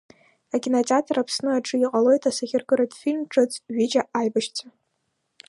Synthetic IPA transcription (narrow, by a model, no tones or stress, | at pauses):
akʲinot͡sʼɪatʰaɾapʰsnɨaʈ͡ʂʼɨiqʼalo̞jtʰʼasaɣʲɪrɡɨɾatʰʼfilmʈ͡ʂʼɨt͡sʼɥid͡ʒaʔajbaʃt͡sʰa